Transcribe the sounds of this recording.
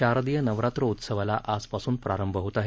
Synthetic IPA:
ɕaɾd̪ijənəʋɾat̪ɾəut̪səʋalaʔad͡zpasuːnpɾaɾəmbʱəɦot̪aɦe

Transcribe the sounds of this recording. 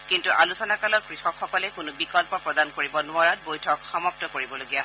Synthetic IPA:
kintuʔalusɔnakalɔt̚kɹixɔkxɔkɔlɛkʊnʊbikɔlpɔpɹɔdankoɹibɔnʊaɹat̚bojtʰɔkxɔmap̚tɔkoɹibɔloɡija

